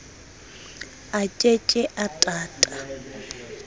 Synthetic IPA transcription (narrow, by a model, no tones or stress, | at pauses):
at͡ʃʼet͡ʃʼɛʔatʼaːtʼa